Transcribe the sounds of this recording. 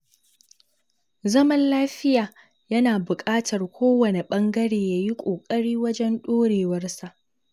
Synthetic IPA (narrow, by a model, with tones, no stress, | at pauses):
zɐ˦mɐ˦nlaː˦ɸɪ˦jaː˨ | jɐ˦naː˨bʊ˨kʼaː˦tʰɐ˨rkʷʰoː˦wɐ˨ne˨ɓɐ˦ŋɡɐ˦ɽeː˨jaː˨ji˦kʷʼoː˨kʼɐ˦ɽiː˦wɐ˦d͡ʒɛ˦nɗoː˦ɽeː˨wɐ˦rsa˨ʔ